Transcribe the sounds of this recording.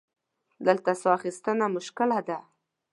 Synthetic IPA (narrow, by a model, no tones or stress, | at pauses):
d̪əlt̪asxist̪ənamʊʃkɪlad̪a